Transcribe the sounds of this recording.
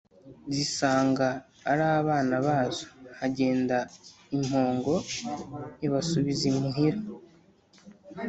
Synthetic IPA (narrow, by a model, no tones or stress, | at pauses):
zisaːŋɡaː | ɾaβaːnaβaːzohaɟe̞ːnda | imho̞ːŋɡo̞ | jaβasuβizimuɦiɾa